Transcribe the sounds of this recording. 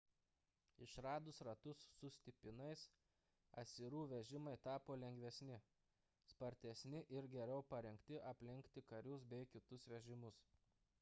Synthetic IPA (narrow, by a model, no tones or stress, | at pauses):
ɪʃɾɑːd̪ʊsɾɐt̪ʊsːʊsʲt̪ʲɪpʲɪnɐɪs | ɐ̰t̪sʲɪɾuːʋʲɛʒʲɪmɐɪt̪ɑːpoːlʲɛŋʲɡʲʋʲɛsʲnʲɪ | spɐɾʲt̪ʲɛsʲnʲɪʔɪɾɡʲɛɾʲɛʊpɐɾʲɛŋkt̪ʲɪʔɐpʲlʲɪŋʲkt̪ʲɪkɐɾʲʊs̬bʲɛɪkʲɪt̪ʊsʋʲɛʒʲɪmʊs